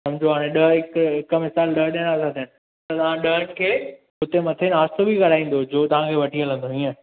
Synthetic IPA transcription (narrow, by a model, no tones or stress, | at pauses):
sɐmd͡ʑoaːɽ̃ẽɗəɦɦɪkɦɪkmɪsaːlɗəɦɗeɽ̃aːsʰãt̪ʰənɪ̆ | t̪ɐt̪ɐʋ̤ãɗəɦən̆kʰeː | ɦʊt̪emɐt̪ʰenaːst̪obʱikɐɽ̤aːĩːn̆d̪od͡ʑoːt̪ɐʋ̤ãkʰeʋɐʈʰiːələ̃nd̪oiːə̃